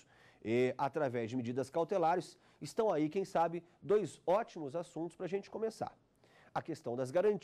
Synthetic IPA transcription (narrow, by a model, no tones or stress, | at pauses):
ɛat̪ɾavɛzd͡ʒɪmid͡ʒid̪ɐskawt̪elaɾɪs | ɪst̪ɐ̃w̃aikẽj̃sabɪ | d̪ojzɔt͡ʃimʊzasũnt̪ʊ̥spɾɐːʒẽnt͡ʃɪ̥kõmesa̰ɾ | ɐkest̪ɐ̃w̃d̪ɐzɡaɾɐ̃nt͡ʃ